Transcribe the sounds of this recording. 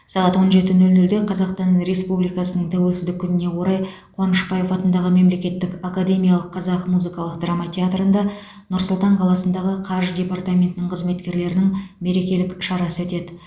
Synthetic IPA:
sɑʁɑt̪wo̞nʒe̞t̪ɪnɵlnɵld̪e̞qʰɑzɑqst̪ɑnɾe̞spublijkɑsənəɴt̪ʰæwe̞lsɪzd̪ɪkʲʰːʏnɪne̞qʰoɾɑj | qʰwɑnəʃbɑje̞fɑt̪ənd̪ɑʁəme̞mle̞kʲe̞t̪ːɪkakad̪e̞mʲijɑlˠəqːʰɑzɑqmuzɨkɑlˠəq̚d̪ramat̪ʲeat̪rənd̪ɑ | nʊɾsʊlˠt̪ɑɴqʰɑlˠɑsənd̪ɑʁəqʰɑɾʒd̪ʲe̞part̪amʲe̞nt̪ɪnɪɴqʰəzme̞t̪kʲe̞ɾle̞ɾɪnɪŋme̞ɾe̞kʲe̞lɪkʃɑɾɑsəwɵt̪e̞d̪ɪ

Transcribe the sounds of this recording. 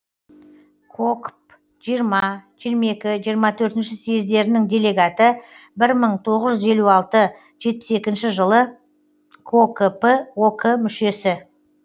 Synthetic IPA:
kʰokp | ʒ̥ijɾmɑʒ̥ijəɾmɑe̞kʲɪʒijəɾmɑt̪ʰɵɾt̪ɪnʃɪsejɪzd̪e̞ɾɪnɪŋd̪ʲe̞le̞ɡat̪ə | bɪɾməɴt̪ʰo̞ʁəzʒʏze̞luɑlˠt̪ə | ʒ̥e̞t̪̚pɪ̥se̞kʲɪnʃɪʒəlˠə | kʰokpəokʰəmʏʃe̞sɪ

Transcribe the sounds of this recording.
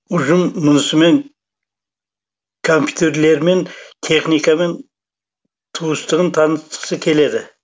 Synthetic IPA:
ʊʒəmːʊnəsəme̞ŋ | kʰompʰʲjut̪eɾle̞ɾment̪ʰe̞χnikamen | t̪ʰuəst̪əʁənt̪ʰɑnəst̪ə̥qsəkʲʰe̞le̞d̪ɪ

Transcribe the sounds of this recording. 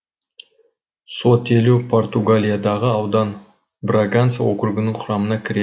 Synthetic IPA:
so̞t̪elupʰo̞rt̪uɡalʲijad̪ɑʁəɑwd̪ɑn | braɡanswokʲʊɾɡʲɪnɪŋqʰʊɾɑmənɑkʲʰɪɾe

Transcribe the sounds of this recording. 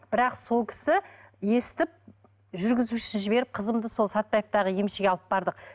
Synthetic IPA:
b̥ɪɾɑqso̞lˠkʲʰɪ̥sɪ | je̞sɪt̪ɪp̚ | ʒʏɾɡʲɪzuʃɪnʒɪbe̞ɾɪp̚qʰəzəmd̪əso̞lˠsɑt̪ːɑjeft̪ɑʁəje̞mʃeɡʲeɑlˠəp̚bɑɾd̪əq̚

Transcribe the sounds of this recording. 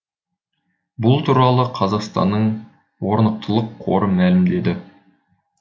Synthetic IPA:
bʊlˠt̪ʰuɾɑlˠəqʰɑzɑqst̪ɑ̰nːəɴ | wo̞ɾnəq̚t̪əlˠəqʰːo̞̰ɾəmælɪmd̪e̞d̪ɪ

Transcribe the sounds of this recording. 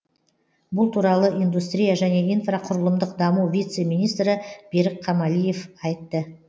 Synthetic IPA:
bʊlˠt̪ʰuɾɑlˠəʔijnd̪ust̪ɾʲijaʒæne̞ijnfraqʰʊɾəlˠəmd̪əq̚d̪ɑmuwvʲijt̪se̞mijnijst̪ɾɪb̥e̞ɾɪkqʰɑmɑlije̞fɑjt̪ːə

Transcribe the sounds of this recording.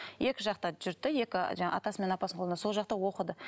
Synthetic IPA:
je̞kʲɪʒɑqt̪ɑʒʏɾt̪ːɪje̞kʲɪʒɑɴɑʔɑ̰t̪ɑsəme̞nɑpɑsəɴqolˠəso̞lˠʒɑq̚t̪ɑwo̞qəd̪ə

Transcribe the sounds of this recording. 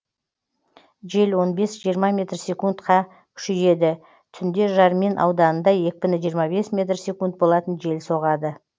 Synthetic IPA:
ʒe̞lwo̞nbe̞sʒijəɾmɑmʲe̞t̪rsʲe̞kunt̪qɑ | kʲʰʏ̥ʃeje̞d̪ɪ | t̪ʰʏnd̪e̞ʒɑɾmenʔɑ̰wd̪ɑnənd̪ɑjek̚ʲpɪnɪʒijəɾmɑbe̞smʲe̞t̪rsʲe̞kunt̪̚bo̞lˠɑt̪ənʒe̞lso̞ʁɑd̪ə

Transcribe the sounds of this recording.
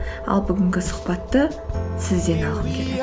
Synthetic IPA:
ɑ̰lˠbʏɡʲɪŋɡʲɪsʊ̥qpɑt̪ːə | sɪzd̪e̞nɑʁəmkʲʰele

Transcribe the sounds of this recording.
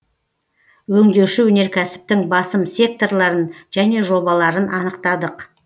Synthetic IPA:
wɵŋd̪e̞ʃɪwɵne̞ɾkʲʰæsɪ̥p̚t̪ɪŋbɑsəmsʲe̞k̚t̪o̞rlˠɑɾənʒ̥æne̞ʒo̞bɑlˠɑɾənʔɑnəqt̪ɑd̪əq

